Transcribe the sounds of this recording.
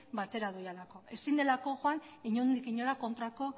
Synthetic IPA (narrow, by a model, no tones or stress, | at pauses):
bat̪e̞ɾaðojalako̞e̞sind̪e̞lako̞ʝoaniɲond̪ikiɲoɾako̞nt̪ɾako̞